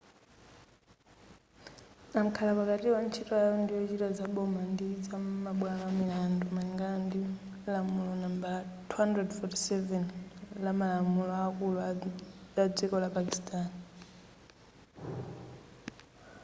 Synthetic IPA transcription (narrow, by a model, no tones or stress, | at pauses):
am̩kʰalapakatiwant͡ʃʰitɔajɔndijɔt͡ʃitazaɓɔmandid͡zamaɓwamamilandɔmaliŋɡandi | lamulɔnambalatʰuandrɛdfɔti̥sɛvɛnlamalamulɔakulu | ad͡zikɔlapakistʰʼani